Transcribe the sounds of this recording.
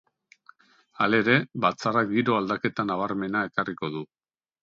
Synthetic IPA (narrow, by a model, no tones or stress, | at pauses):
ale̞ɾe̞βat͡sarak̚ɡiɾo̞ald̪ake̞t̪anaβ̞aɾme̞nae̞kariko̞ðu